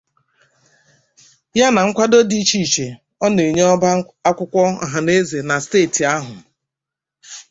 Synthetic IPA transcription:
ja˦na˨ŋ̩˦kʷa˦do˦di˦t͡ʃi˦˨t͡ʃe˨ | ɔ˦ne˨ɲ˦ɔ˦ba˦ | a˦kʷʊ˦kʷɔ˦a̰˨ɦa˨ne˦ze˨na˨steː˦˨ti˨a˦ɦʊ˨

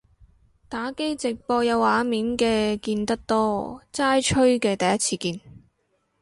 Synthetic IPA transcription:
t̪aː˨˥ke˥jt͡sɪ˨k̚pɔː˧jɐ˨˧waː˨˥miː˨˥nkɛː˧kiː˧nt̪ɐ˥k̚t̪ɔː˥t͡saː˥jt͡ʃʰɵ˥ɥkɛː˧t̪ɐ˨˩jɐ˥t̚t͡sʰiː˧kiː˧n

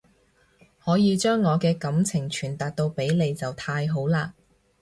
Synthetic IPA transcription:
hɔː˨˥jiː˨˧t͡ʃœː˥ŋːɔː˨˧kɛː˧kɐ˨˥mt͡sʰɪ˨˩ŋt͡ʃʰyː˨˩nt̪aː˨k̚t̪o˧wpe˨˥jle˨˧jt͡sɐ˨wt̪ʰaː˧jɦo˨˥wlaː˧

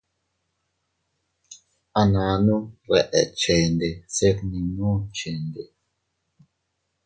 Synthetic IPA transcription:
a˨nã˨˦nũ˦ɾɛ˨ʔɛ̰˨t͡ʃe˨nde˨se˦knĩ˨nũ˦t͡ʃe˨nde˨

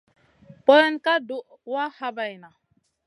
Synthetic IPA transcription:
pɔ˦ɾɛ˦nka˦du˦ʔ | wa˦ha˦ba˨jna˨

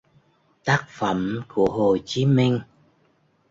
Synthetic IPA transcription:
t̪aː˦˥k̚fə˧˩mku˧˩əɦo˨˩t͡ɕi˨˦mi˧ŋ̟

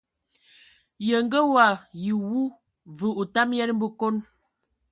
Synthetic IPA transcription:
jə˨ŋ˦ɡə˦wa˨ji˨wu˦ | və˨u˨ta˦mjɛ˦n˦m̩˦bə˦ko˦n

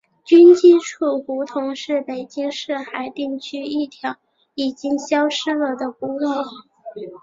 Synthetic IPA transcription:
t͡ɕy˥nt͡ɕi˥˧ʈ͡ʂʰu˥˩ku˧˥t̪ʰʊ˧˥ŋʂɻ̩˥˩pe˨˩ɪt͡ɕi˥ŋʂɻ̩˥˩xa˧˥ɪt̪i˥˩ŋt͡ɕʰy˥i˥˩t̪ʰjɑ˧˥ʊ | i˨˩t͡ɕi˥ŋɕjɑ˥ʊʂɻ̩˥lə˨˩d̪ə˨ku˧˥lo˥˩

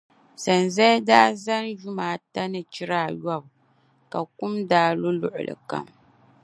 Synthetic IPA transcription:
sa˨nzɛ˦daː˦za˦n˦ʒʊ˦maː˨ta˦nɨ˨t͡ʃi˦ɾaː˦˨ja˦˨b | ka˨kʊ˦mdaː˦lʊ˦lʊ˦ʔʊ˨lɨ̰˨ka̰˦m

